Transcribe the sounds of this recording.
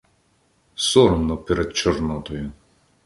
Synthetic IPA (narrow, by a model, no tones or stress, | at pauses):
sɔɾmnɔpɛɾɛd̪̚t͡ʃɔrnɔt̪ɔjʊ